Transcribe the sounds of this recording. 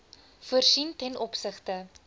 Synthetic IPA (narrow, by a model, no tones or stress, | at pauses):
fuərsintɛnʔɔpsəχtə